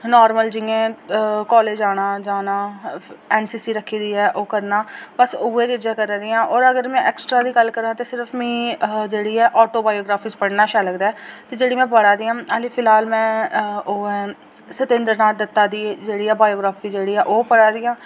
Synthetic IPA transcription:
nɔːɾməld͡ʒɪːẽːkɔːleːd͡ʒaːɽãːd͡ʒaːnãːɛːnsiːsiːɾəkʰːiːd̪iːɛːʔoːkəɾnaːbəsʊːeːd͡ʒəd͡ʒãːkəɾaːd̪iːãːʔɔːɾəɡəɾmɛ̃ːʔɛːksʈɾaːd̪iːɡəlːkəɾãːt̪eːsɪɾəfʰmĩːd͡ʒeːɽiːɛːʔɔːʈoːbaːjoːɡɾaːpʰiːspəɽnaːʃaːləɡd̪aːɛːt̪eːd͡ʒeːɽiːmɛ̃ːp̬əɽaːd̪iːãːaːliːpʰɪlɦaːlmɛ̃ːoːɛː | sət̪ẽːnd̪əɾnaːd̪ət̪ːaːd̪iːd͡ʒeːɽiːɛːbaːjoːɡɾaːfʰiːd͡ʒeːɽiːɛːʔoːpəɽaːd̪ijãː

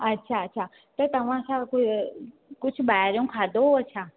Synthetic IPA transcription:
ətːʃʰaətːʃʰa | t̪ot̪əʋãsãk | kʊt͡ʃʰbajaɾjõkʰad̪oət͡ʃʰa

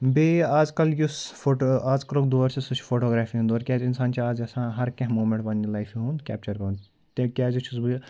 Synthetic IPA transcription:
beːaːzkɐljusfoaːzkɐloːkd̪oːɾsesut͡ʃʰfʰoːʈoːɡɾaːfiɦũnd̪oːɾkʲaːzɪnsaːnt͡ʃʰiaːzɐsãːɦɐɾkɐ̃ɦmoːmẽɳʈbɐnːilaːɪfiɦũːnkʲɛ̰ːp̚t͡ʃɐɾkɐnd̪ | t̪kʲaːzut͡ʃʰusbul

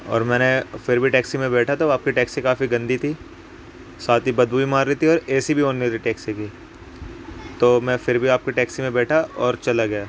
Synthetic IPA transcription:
ɔ̰ːɾmɛ̃ːnefɪɾbʱiʈɛːksimẽbɛːʈʰat̪oaːp̚kiʈɛːksikaːfiɡɐ̃nd̪ʱit̪ʰi | saːt̪ibɐd̪buːimaːɾːit̪ʰiɔːɾɛːsibʱiɦõːndit̪ʰiʈɛːksiki | t̪oːmɛ̃ːfɪɾbʱiaːp̚kiʈɛːksimẽbɛːʈʰaɔːɾt͡ʃɐlaɡɐjaː

